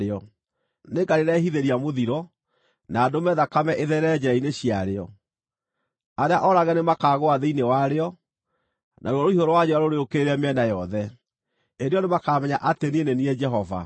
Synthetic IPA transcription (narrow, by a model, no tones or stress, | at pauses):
eɔ | neɡaɾeɾaɦiðeɾiamoðiɾɔ | naːdomɛðakamɛʔeðɛɾɛd͡ʑɛɾaineɕiaɾeɔ | aɾeaʔɔɾaɣɛnemakaːɣoaðeinewaɾeɔ | nʔa̰oɔɾoiɦoɾɔwad͡ʒɛaɾoɾeokeɾɛmɛnajɔðɛ | eɾeɔnemakamɛɲaʔateneeneniɛd͡ʒɛɦɔva̰